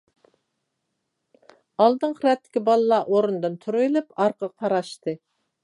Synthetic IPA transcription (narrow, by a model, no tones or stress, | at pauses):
ɑlˠd̪ɨŋqɾɛt̪ʰːɪ̥kʲibɑlˠɨlˠɑʔoɾund̪ɨnt̪ʰuɾujlˠupɑɾqʰəqʰɑɾɑʃt̪ɨ